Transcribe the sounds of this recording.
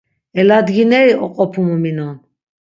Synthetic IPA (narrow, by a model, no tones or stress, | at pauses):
ɛlad̪ɡinɛɾiʔɔqʼɔpʰumɔminɔn